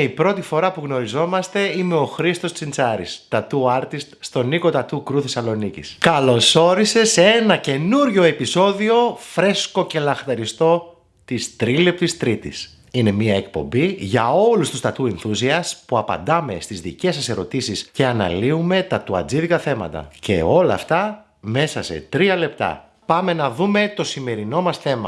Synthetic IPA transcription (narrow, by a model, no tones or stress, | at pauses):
ipɾo̞t̪ifo̞ɾɐpuɣno̞ɾizo̞mɐst̪e̞ime̞o̞xɾist̪o̞st͡sint͡sɐɾḭst̪ɐt̪uɐɾt̪ist̪ːt̪o̞niko̞t̪ɐt̪ukɾuθe̞sɐlo̞nicḭskɐlo̞so̞ɾise̞seenɐce̞nuɾʝo̞e̞piso̞ðio̞fɾe̞sko̞ce̞lɐxt̪ɐɾist̪o̞ | t̪ist̪ɾilept̪ist̪ɾit̪ḭs | inemiɐe̞k̚po̞̰mbiʝɐo̞lust̪ust̪ɐt̪uenθusiɐspuɐpɐ̰nd̪ɐme̞st̪izðices̬ɐse̞ɾo̞t̪isisce̞ɐnɐ̰liume̞t̪ɐt̪uɐ̰d͡ziðikɐθe̞mɐ̰t̪ɐ̰ce̞̰o̞lɐ̰ft̪ɐ | me̞sɐse̞̰t̪ɾiɐle̞pt̪ɐ̰ | pɐme̞nɐðume̞t̪o̞sime̞ɾino̞mɐsθe̞mɐ̰